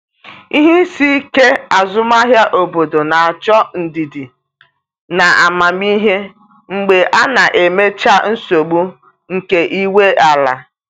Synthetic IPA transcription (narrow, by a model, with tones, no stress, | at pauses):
i˦ɦi˦si˦ke˦a˨zʊ˦ma˦ɦja˦ʔo˨bo˨do˨na˨a˨t͡ʃɔ˦n̩˨di˨di˨ | na˨a˨ma˨mi˦ɦe˦ | ŋ͡m̩˨ɡ͡be˨ʔa˦na˨ʔe˨me˦t͡ʃa˦n̩˦so˨ɡ͡bu˦ | ŋ̩˨ke˨ʔi˦we˦a˨la̰˨